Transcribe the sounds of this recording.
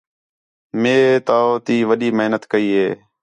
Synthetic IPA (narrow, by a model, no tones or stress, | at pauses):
meːt̪aːot̪iːʋəɗiːməɦnət̪kəiːɦeː